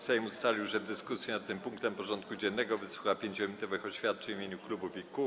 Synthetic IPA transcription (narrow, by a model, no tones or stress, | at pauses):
sɛmust̪alʲiwʐɛd̪ːɘskusʲjɛnat̪̚t̪ɘmpuŋkt̪ɛmpɔʐɔnt̪kud͡ʑɛnːɛɡɔvɘswuxapʲjeɲd͡ʑʑɔmʲit̪ɔvɘxɔɕfʲjat̪̚t͡ʂɛɲvmʲeɲuklubufiku